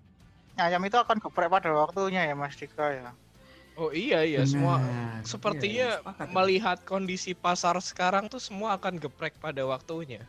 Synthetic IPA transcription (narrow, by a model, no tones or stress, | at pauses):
ɲajamit̪̬uakanɡəpɾɛk̚padawak̚t̪uɲajamast̪ikaja | oijaijasəmuasəpərt̪iɲaməliɦat̪̚kondisipasarsə̥kaɾaŋt̪usəmuaːkanɡəpɾɛk̚padawak̚t̪uɲa